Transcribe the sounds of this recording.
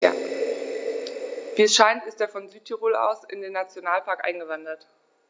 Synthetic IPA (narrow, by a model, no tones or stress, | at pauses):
ja̰ | viːɛsʃaɪntɪsteːɐfɔnzyːtʰiʁoːla̰ʊsɪ̰ndeːnːat͡sjonaːlpʰaɐkʔa̰ɪnɡəvandɐt